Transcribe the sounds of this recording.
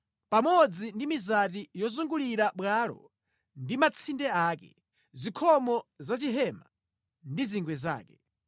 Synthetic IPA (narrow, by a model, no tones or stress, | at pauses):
pamɔd͡zindimizatijɔzuŋɡuliɾaɓwalɔ̰ | ndimat͡sʰindɛaːkɛ̰ | zikʰɔmɔzat͡ʃiɦɛma | ndiziŋɡwɛza̰ːkɛ